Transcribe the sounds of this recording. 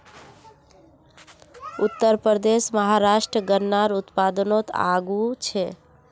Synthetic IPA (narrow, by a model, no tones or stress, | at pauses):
ut̪ːəɾpəd̪esməɦaɾasʈɾəɡənːaɾut̪pad̪ənot̪a̰ɡut͡ʃʰɛ